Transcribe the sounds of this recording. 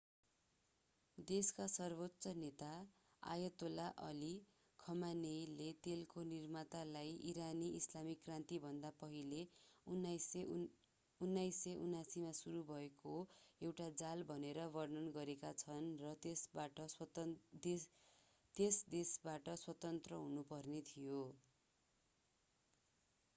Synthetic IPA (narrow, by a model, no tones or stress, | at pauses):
d̪eskasʌrbot̪ːsʌnet̪a | a̰jʌt̪olaʔʌli | kʰʌmanejlet̪elkonirmat̪alajiɾaniislamikːrant̪ibʱʌnd̪apʌɦilenas | unːajsʌʔunasimasuɾubʱʌekoewʈad͡zalbʱʌneɾʌbʌrnʌnɡʌɾekat͡sʰʌnrʌt̪esbaʈʌ | t̪esd̪esbaʈʌswʌt̪ʌnt̪rʌɦunupʌrnet̪ʰijo